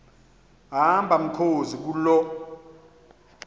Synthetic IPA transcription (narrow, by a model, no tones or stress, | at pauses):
ɦambʱam̩kʰozik̬ulɔ